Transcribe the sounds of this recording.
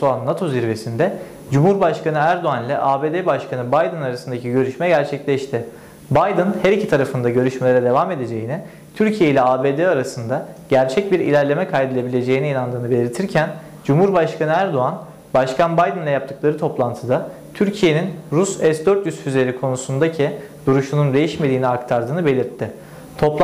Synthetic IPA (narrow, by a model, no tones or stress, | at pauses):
oanːat̪ʰo̞ziɾve̞sind̪ɛ | d͡ʒumhuɾbaʃkanɯæɾd̪o̞anlʲɛʔaːbeːd̪ebaʃkʰanɯbajd̪ɯnaɾasɯnd̪acʰiɟø̞ɾyʃmɛɟæɾt͡ʃʰɛclʲɛʃt̪ʰɪ | bajd̪ɯnhɛɾicʰit̪ʰaɾafɯnd̪aɟø̞ɾyʃme̞lʲeɾɛd̪e̞vame̞d̪e̞d͡ʒe̞jinɪ | t̪ʰyɾcʰije̞ilʲɛaːbe̞ːd̪eaɾasɯnd̪aɟæɾt͡ʃʰɛc̚biɾḭlʲæɾlʲe̞mɛkʰajd̪elʲˠe̞bilʲe̞d͡ʒe̞jiniinand̪ɯːnɯbe̞lʲiɾt̪ʰiɾcʰæn | d͡ʒumhuɾbaʃkʰanɯæɾd̪o̞an | baʃkʰanbajd̪ɯnlʲˠɛjap̚t̪ʰɯ̥klˠaɾɯt̪ʰo̞plˠant̪ʰɯd̪a | t̪ʰyɾcʰije̞ninɾusɛsd̪øɾt̪jysfyzelʲeɾikʰo̞nusund̪acʰid̪̥uɾuʃunund̪e̞jiʃmed̪iːniakt̪ʰaɾd̪ɯːnɯbe̞lʲiɾt̪ʰːɪ | t̪ʰo̞pˠ